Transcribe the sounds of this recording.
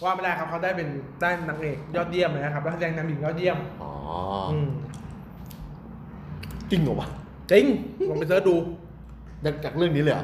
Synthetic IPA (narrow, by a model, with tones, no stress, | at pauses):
waː˥˩ma˧˩daː˥˩kʰa˦˥p̚kʰa˦˥wdaː˥˩jpe˧ndaː˥˩jna˧ŋʔeː˨˩k̚jɔː˥˩t̪̚ji˥˩əmːʔa˧˦˩kʰa˦˥la˥˩a˥t͡ɕɛː˧ŋt̪ʰaː˧mbi˨˩ŋjɔː˥˩ji˥˩əmʔɔ̰ː˧˦ʔɯː˩m | t̪i˧˩ŋɔ˨˩wa˦˧˩ | t̪i˧˩ŋo˧pe˧nsɤː˦˥˩duː˧ | t͡ɕa˨˩k̚t͡ɕaː˨˩k̚ɾɯ˥˩əŋniː˦˥ləː˧˩a̰˧˩